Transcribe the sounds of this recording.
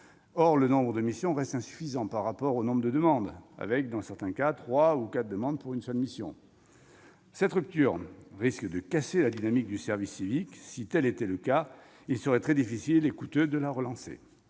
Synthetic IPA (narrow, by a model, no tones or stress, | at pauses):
ɔʁlənɔ̃bʁəd̪əmisjɔ̃ʁɛst̪ɛ̃sy̥fizɑ̃paʁːapɔʁonɔ̃bʁd̪əd̪əmɑ̃d̪a̰vɛk̚d̪ɑ̃sɛʁt̪ɛ̃kat̪χwaukat̪̚d̪əmɑ̃d̪puʁynsœlmisjɔ̰̃ | sɛt̪ʁyp̚t̪yʁʁiskd̪əkaselad̪inamik̚d̪ysɛʁvisːiviksit̪ɛlet̪ɛləka | ilsəʁɛt̪χɛd̪ifisilekut̪ød̪əlaʁəlɑ̃sḛ